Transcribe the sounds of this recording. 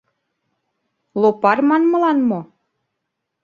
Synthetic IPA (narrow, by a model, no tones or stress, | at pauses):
lopɑrmɑnmɤ̆lɑnmo